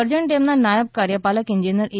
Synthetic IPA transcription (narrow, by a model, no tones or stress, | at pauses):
əɾd͡ʑəɳʈ̪emnːanajəb̚kaɾjəpaləkiɲd͡ʑinjəɾʔi